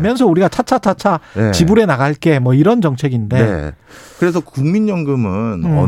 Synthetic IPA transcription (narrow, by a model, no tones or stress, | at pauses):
mjʌnsʰʌuɾiɡat͡ɕʰat͡ɕʰat͡ɕʰat͡ɕʰat͡ɕibuɾe̞naɣaɭk͈e̞mwʌiɾʌnd͡ʑʌŋt͡ɕʰe̞ɡinde̞ | kɯɾe̞s̬ʰʌkuŋminjʌŋɡɯmɯnʌ̰